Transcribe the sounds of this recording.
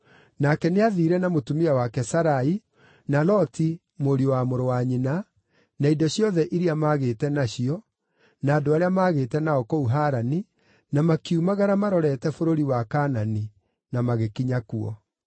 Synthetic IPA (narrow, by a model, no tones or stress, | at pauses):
nakɛneaðiːɾɛnamotumiawakɛsaɾai | nalɔti | moɾiowamoɾowaɲina | naidɔɕjɔðɛʔiɾiamaːɣeːtɛnaɕiɔ | naːdoaɾeamaːɣeːtɛnaɔkouɦaːɾani | namakiumaɣaɾamaɾɔɾɛtɛfoɾoɾiwakaːnani | namaɣekiɲakuɔ